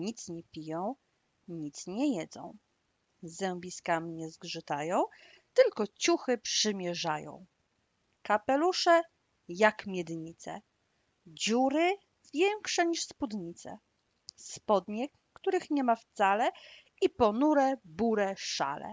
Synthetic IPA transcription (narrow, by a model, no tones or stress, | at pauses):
ɲit̪sɲɛpʲijɔ̃w̃ | ɲit̪sɲɛjɛd̪zɔ̰̃w̃ | zɛwbʲiskamʲiɲɛzɡʐɘt̪ajɔ̃w̃ | t̪ɘlkɔt͡ɕuxɘpʂɘmʲjɛʐajɔ̰̃w̃ | kapɛluʂɛ | jakmʲjɛd̪ɲit̪sɛ̰ | d͡ʑuɾɘ | vʲjɛŋkʂɛɲiʂspud̪ɲit̪sɛ̰ | spɔd̪ɲɛkː | t̪uɾɘxɲɛmaft̪salɛ | ipɔnuɾɛbuɾɛʂa̰lɛ̰